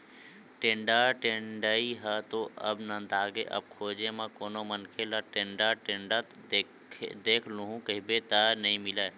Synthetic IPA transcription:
ʈẽːɳɖaʈẽɳɖəiɦət̪oəbnə̃d̪aːɡeʔə̰b̚kʰoːd͡ʒemãkoːnomənkʰelaʈẽːɳɖaʈẽːɳɖət̪ʰ | d̪eːkʰluɦũkəɦibet̪ənəɦĩmɪlə

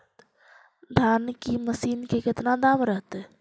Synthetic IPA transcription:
d̪ʱaːnkiməsiːnkekɪt̪nad̪aːmɾəɦt̪ɛ

